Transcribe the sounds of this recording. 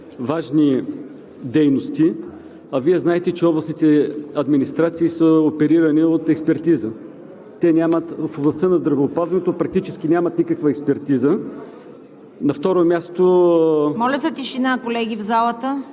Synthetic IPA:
vaʒni | d̪ɛjnost̪i | ɐviɛznaɛt̪ɛt͡ʃɛɔblˠɐsnit̪ɛɐd̪minist̪ɾat̪siːsəopɛɾiɾɐniot̪ɛkspɛɾt̪izə | t̪ɛnʲamət̪foblˠɐst̪ənɐzd̪ɾɐvɛːpazvɐnɛt̪opɾɐk̚t̪it͡ʃɛsk̟inʲamɐt̪nikəkvəɛkspɛɾt̪izə | nɐft̪ɔɾomʲjast̪omɔlʲɐsət̪iʃinakolɛɡʲivzalˠət̪ə

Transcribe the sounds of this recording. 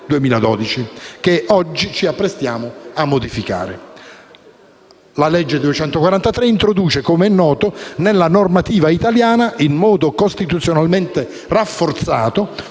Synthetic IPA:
d̪uemiːlad̪ɔ̰ːd̪it͡ʃikeɔd͡ʒːit͡ʃiapːɾest̪jaːmoamːod̪ifika̰ːɾḛ | lalɛd͡ʒːed̪uet͡ʃɛnt̪okwaɾant̪at̪ɾeint̪ɾod̪uːt͡ʃekomeɛnːɔːt̪onelːanormat̪iːvait̪aljaːnaʔinːɔːd̪okost̪it̪ut̪sjonalment̪e | rafːort̪sa̰ːt̪o

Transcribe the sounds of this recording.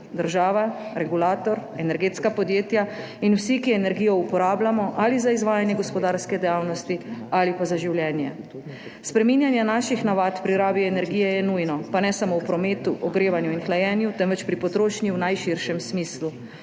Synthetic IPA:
d̪əɾʒaːʋaɾɛɡulaːt̪ɔɾɛnɛɾɡeːt̪skapɔd̪jeːt̪ja | inwsikiɛnɛɾɡijɔupɔɾaːblamɔʔalizaizʋaːjanjɛɡɔspɔd̪aːɾskɛd̪ɛjaːwnɔst̪ialipazaʒiwljɛːnjɛ̰ | spɾɛmiːnjanjanaːʃixnaʋat̪pɾiɾaːbiɛnɛɾɡiːjɛjɛnujnɔpanɛsamowpɾɔmeːt̪uʔɔɡɾeːʋanjuinxlajɛːnjut̪ɛnʋɛt͡ʃpɾipɔt̪ɾoːʃnjiwnajʃiɾʃɛmsmiːslu

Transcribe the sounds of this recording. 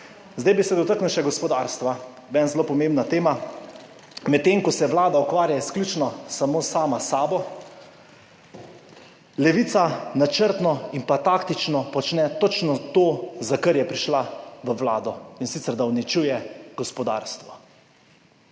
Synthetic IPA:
zd̪ajbisɛd̪ɔt̪aknuʃɛɡɔspɔd̪aɾst̪ʋa | bɛnzlopɔmẽmbnat̪eːma | mɛt̪ːeːŋkɔsɛʋlaːd̪aukʋaːɾjajɛsklʲjut͡ʃnɔsamoːsaːmasaːbɔ | lɛʋiːt̪sanat͡ʃəɾt̪nɔinpat̪akt̪it͡ʃnɔpɔt͡ʃnɛt̪ot͡ʃnɔt̪oːzakəɾjɛpɾiʃlaʋəʋlaːd̪ɔinsit̪sɛɾd̪awnit͡ʃujɛɡ̥ɔspɔd̪a̰ɾst̪ʋɔ

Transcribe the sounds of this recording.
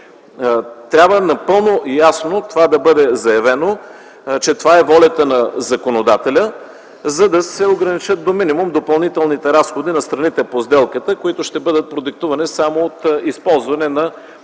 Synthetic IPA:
t̪ɾʲabvənɐpɤlˠnojasnot̪ovad̪ɐbɤd̪ɛzɐjɐvɛno | t͡ʃɛt̪ovaɛvɔlʲɐt̪ənɐzɐkonod̪at̪ɛlʲə | zɐd̪ɐsɛoɡɾɐnit͡ʃət̪̚d̪ominimumd̪opɐlˠnit̪ɛlˠnit̪ɛɾasxod̪inɐst̪ɾɐnit̪ɛpozd̪ɛlˠkət̪əkoit̪ʊʃt̪ɛbɤd̪ət̪̚pɾod̪ɛk̚t̪uvɐnisamoːt̪ispɔlˠzvɐnɛnɐ

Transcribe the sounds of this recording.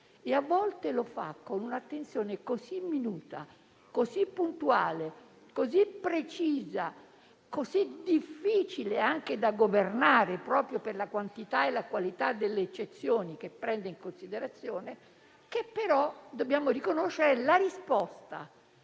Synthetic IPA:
eavːɔlt̪elofa̰kːonunat̪ːent̪sjoːnekozimːinuːt̪a̰ | kozipːunt̪uaːle | kozipːɾet͡ʃiːza | kozid̪ifːiːt͡ʃileaŋk̟ed̪aɡovernaːɾepɾɔːpɾjoperlakwant̪it̪aelakwalit̪ad̪ːelːeːt͡ʃːet̪sːjoːnik̟epːɾɛnd̪eiŋkonsid̪eɾat̪sːjoːne | kepːeɾɔd̪objaːmoɾikonoʃːeɾelaɾispɔst̪a̰

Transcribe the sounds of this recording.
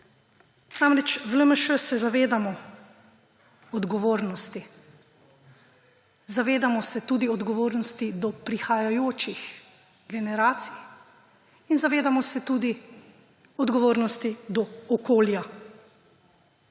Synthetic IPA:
naːmɾɛt͡ʃvləməʃəsɛzaʋeːd̪amɔ | ɔd̪ɡɔʋoːɾnɔst̪i | zaʋeːd̪amɔsɛt̪uːd̪iɔd̪ɡɔʋoːɾnɔst̪id̪ɔpɾixajajoːt͡ʃix | ɡɛnɛɾaːt̪sij | inzaʋeːd̪amɔsɛt̪uːd̪i | ɔd̪ɡɔʋoːɾnɔst̪id̪ɔɔkoːlja

